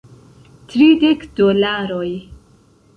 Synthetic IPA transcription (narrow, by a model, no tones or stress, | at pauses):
tɾidekd̥olaɾoj